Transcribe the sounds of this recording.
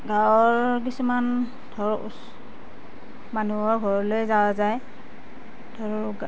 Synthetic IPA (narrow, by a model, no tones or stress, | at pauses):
ɡawɔɹk̬isuman | dʰʱɔɹ̰s | manuɔɹɡʱɔɹɔlojzawazaj | dʰɔɹɡ